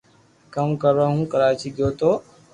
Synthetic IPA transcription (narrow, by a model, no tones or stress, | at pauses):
kəmkəɾːəɦũːkəɾaːt͡ʃiːɡjoːt̪oː